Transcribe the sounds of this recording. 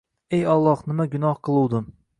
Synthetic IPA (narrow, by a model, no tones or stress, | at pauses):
ejɒlˠːɒhnɪmaɡʊnɒhqʰɨlˠuwd̪ɪm